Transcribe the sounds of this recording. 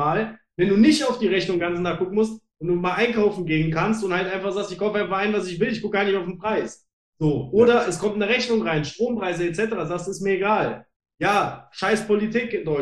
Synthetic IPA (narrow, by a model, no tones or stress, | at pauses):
aːlvɛnduːnɪçtaʊfd̥iːʁɛçnʊŋɡant͡snaχɡ̥ʊkŋ̩mʊstvɛnduːmaːlʔaɪnkʰaʊfn̩ɡeːənkʰanstʊnthaltʔaɪnfaχz̥aːkstɪçkʰaʊfəaɪnfaχaɪnvas̬ɪçvɪlɪçɡ̥ʊk̚ɡaːɐnɪçtaʊfn̩pʁ̥aɪs | z̥oːʔoːɾɐɛskʰɔmtnəʁɛçnʊŋʁaɪnʃtʁ̥oːmpʁ̥aɪzəɛtt͡sɛtəʁaːzaːstɪstmiːɐeɡaːl | jaːʃaɪspolitʰiːkɪndɔʏ